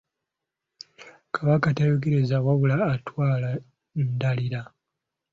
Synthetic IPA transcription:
kʰaβakatajok̬eɾezawaβulaːtwaːla | ndaliɾa

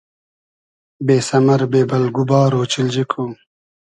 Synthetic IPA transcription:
beːsɐmɐɾbeːbɐlɡubɑːɾoːt͡ʃild͡ʑikʰo

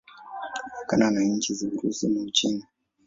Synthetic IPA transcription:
akananaɲt͡ʃiziuɾusimaut͡ʃini

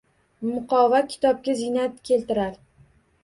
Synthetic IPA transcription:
mʊqɒvakʲʰɪ̥t̪ɒp̚kʲazɪnat̪kʲʰe̞lt̪ɪɾaɾ

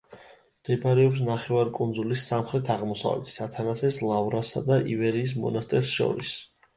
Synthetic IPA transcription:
md̪̥ɛbaɾɛɔpsnaχɛvaɾikʼund̪zulisːamχɾɛt̪ʰaʁmɔsa̰vlɛ̰t̪ʰi̥t̪ʰat̪ʰanat̪sʰɛslˠavɾasa̰d̪aʔivɛɾiːs̬mɔ̰nast̪ʼɛɾsʃɔ̰ɾḭs

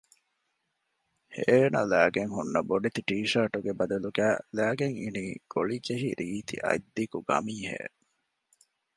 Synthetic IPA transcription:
heːnɐ̰læːɡeŋɦunːɐboɖet̪iʈiːʃɐɾʈuɡebɐd̪ɐluɡæːlæːɡeŋḭniːɡ̥oɭid͡ʒeɦiɾʔiːt̪ḭʔɐ̰jd̪ːikuɡɐ̰miːhḛː

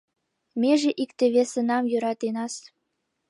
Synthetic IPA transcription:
meʒĕʔikt̪ĕβesə̆nɑmjøɾɑt̪enɑs

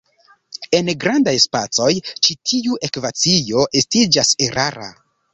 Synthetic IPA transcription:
e̞nɡɾandajspat͡so̞jt͡ʃitʰiuʔe̞kvat͡sijo̞ʔe̞stid͡ʒaseɾʔaɾa̰

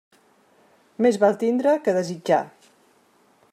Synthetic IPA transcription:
mezβalˠt̪ind̪ɾəkəðəzid͡ʒa̰

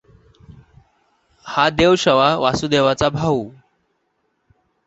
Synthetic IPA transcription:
had̪eʋɕəʋaʋasud̪eʋat͡sabʱau

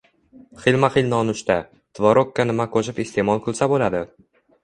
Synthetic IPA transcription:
χɪlmaχɪlnɒnʊʃt̪a | t̪ʰvɒɾokːanɪmakʰoʃɪpest̪e̞mɒlˠkʰʊlˠsabolad̪ɪ

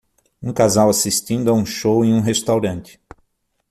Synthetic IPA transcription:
ũkazawasist̪ĩnd̪ʊaũʃowẽj̃ũɦest̪awɾɐ̃nt͡ʃɪ̥

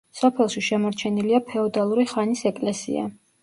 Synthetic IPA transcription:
sɔpʰɛlˠʃiʃɛmɔɾt͡ʃʰɛniliapʰɛɔd̪alˠuɾiχanisɛkʼlɛsḭa̰

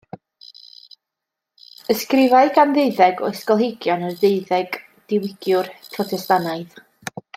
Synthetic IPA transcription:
əskrɪvaɨɡanðeɨðɛɡɔ̰ɪskɔlˠɦɪɡjɔnərðeɨðɛɡ̥ | d̥ɪwɪɡ̥jʊrpʰrɔtʰɛstanaɨð

